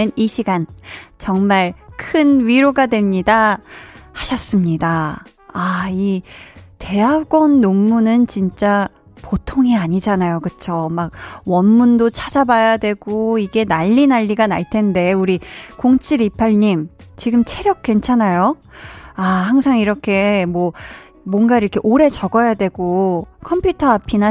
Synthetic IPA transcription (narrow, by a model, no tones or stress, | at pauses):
ɯniɕʰiɡant͡ɕʌŋmaɭkʰɯnɥiɾoɡadwe̞mɲida | haɕʰʌs͈ɯmɲida | ai | te̞ɦaɡwʌnːomːunɯnt͡ɕint͡ɕ͈a | potʰoŋiaɲid͡ʑanajokɯt͡ɕʰomaɡ̚wʌnmundot͡ɕʰad͡ʑabajadwe̞ɡ̥oiɡe̞naʎːinaʎːiɡana̰ɭtʰe̞nde̞uɾikoŋt͡ɕʰiɾipʰaɭɲimt͡ɕiɡɯmt͡ɕʰe̞ɾjʌk̚k͈we̞nt͡ɕʰanajo | ahaŋs̬ʰaŋiɾʌkʰe̞mwʌ | mwʌnɡaiɾʌkʰe̞ʔoɾe̞t͡ɕʌɡʌjadwe̞ɡokʰʌmpʰjutʰʌɦapʰina